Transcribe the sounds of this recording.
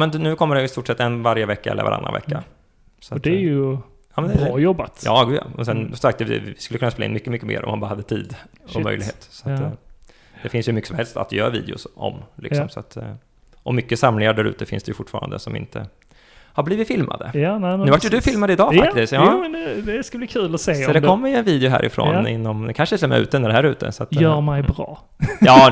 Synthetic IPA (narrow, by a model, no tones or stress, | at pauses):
mɛnd̪nʉ̟ːkʰɔmːəɖɛɪst̪uːʈʂɛt̪ːɛnvaɾjəvɛkːaʔɛlːə̰va̰ɾʔa̰nɾa̰vɛ̰kːa | sɔatd̪ɛjə | jɑːmɛnd̪ɛjɔbat̪jɑːɡʉja̰mɛnsɛnsɔmsakt̪ɛɪɪskɵlːəkɵnːspelːaɪ̰nmʏkːəmʏkːəmḛːɾʔɔ̰manbɑːɾahad̪ːət̪ʰiːd̪ɔmœ̰jlɪɡheːt̪sɔat̪ | d̪ɛfɪnsjɵmʏkːəsɔmhɛlst̪a̰t̪jœːɾvḭːd̪ɛʊ̰sɔ̰mlɪksɔmsɔat̪ː | ʔɔmːʏkːəsamlɪŋaɖæɾʉ̟ːt̪əfɪnsd̪ɛjʉfʊʈːfɑ̰ːɾand̪əsɔmɪ̰nt̪ʰə̰ | habliːvɪt̪fɪlma̰d̪ə̰jnɛnʉːvajəd̪ɵfɪlmad̪əɪd̪ɑːfakt̪ɪsk̚t̪jɑːɛnd̪ɛd̪ɛskabliːkʰʉːlɔseːsɔd̪ɛkʰɔmːɪɛnviːd̪ɛʊɦæ̰ːɾʔɪfɾo̰ːnɪnːɔmd̪ɛkʰanʂənt̪ʰɪlɔmɛ̰ʉ̟ːt̪əɛnəd̪ɛhæːɾʉ̟ːt̪ʰə̰sat̪ːjœːɾmɛjbɾɑ̰ː | jɑː